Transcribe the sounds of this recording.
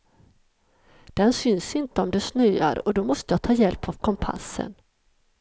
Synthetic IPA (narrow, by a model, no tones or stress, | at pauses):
d̪̥ɛnsʏnsɪnt̪əɔmd̪ɛsnyːa̰ɾɔd̪ɔmɔst̪əjɑːt̪ʰɑːjɛlpavkʰɔmpʰa̰sːə̰n